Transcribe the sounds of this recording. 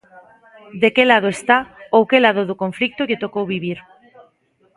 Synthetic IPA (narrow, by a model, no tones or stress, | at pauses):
d̪ekelað̞oest̪aowkelaðoðokoɱflik̚t̪oʎet̪okowβiβ̞iɾ